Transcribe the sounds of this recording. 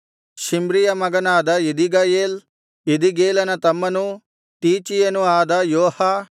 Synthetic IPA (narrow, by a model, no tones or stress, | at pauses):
ʃimbɾijɐmɐɡɐnaːd̪ɐid̪iɡɐjeːl | id̪iɡeːlɐnɐt̪ɐmːɐnu | t̪iːt͡ʃijɐnuaːd̪ɐjoːha